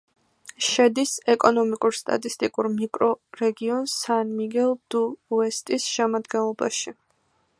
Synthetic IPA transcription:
ʃɛd̪isɛkʼɔnɔmikʼuɾst̪ʼa̰t̪ʼist̪ʼikʼuɾmikʼɾɔɾɛɡiɔnsanmiɡɛlˠd̪̥uɛst̪ʼisʃɛmad̪ɡɛnlˠɔba̰ʃi

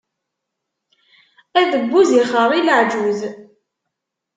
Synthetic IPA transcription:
æðəɡʷːuziχəɾˤiləʕd͡ʒuz

